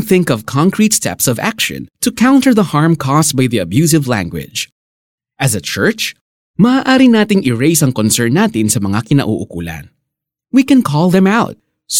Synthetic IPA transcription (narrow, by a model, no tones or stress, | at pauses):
nθɪ̃ŋkɔvkʰãŋkɹit̪st̪ɛ̰psɔva̰kʃɔ̰̃nt̪ʊkʰaw̃nt̪əɹðɐhaɹmkʰɔst̪̚bajðiɐbjuːs̬ɪvlæ̰̃ŋɡwɪ̰̥d͡ʒ | ʔɐzɐt͡ʃɜɹt͡ʃ | mɐʔaːʔaːɾɪnaːt̪ɪŋʔɪɹejsɐŋkɔnsɛɹnːaːt̪ɪnsɐmɐŋakɪnɐ̰ʔṵʔʊkṵːlɐ̰n | wikɛ̃nkʰɔlˠðɛ̃maʊt̪̚ | s